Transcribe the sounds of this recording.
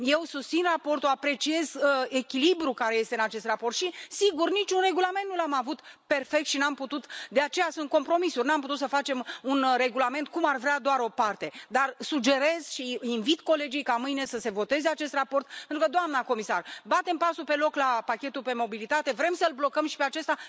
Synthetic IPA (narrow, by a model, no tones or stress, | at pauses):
je̞wsust̪sinrapo̞rt̪oapɾe̞t͡ʃie̞ze̞kʲilibɾukaɾe̞je̞st̪e̞ɨnat͡ʃe̞st̪rapo̞rt̪ʃisiɡurnit͡ʃunre̞ɡulame̞nt̪̚nulamavut̪pe̞rfe̞k̚t̪ʃinamput̪ut̪d̪eat͡ʃe̞jasunt̪̚ko̞mpɾo̞misurʲnamput̪ut̪səfat͡ʃe̞munre̞ɡulame̞nt̪̚kumarvɾead̪oaɾo̞part̪e̞d̪arsud͡ʒe̞ɾe̞z̥ʃiinvit̪ko̞le̞d͡ʒijkamɨjne̞səse̞vo̞t̪e̞zeat͡ʃe̞st̪rapo̞rt̪̚penɾukəd̪oamnako̞misarbat̪e̞mpasupe̞lo̞klapakʲe̞t̪upe̞mo̞bilit̪at̪e̞vɾe̞msəlblo̞kəmʃi̥peat͡ʃest̪a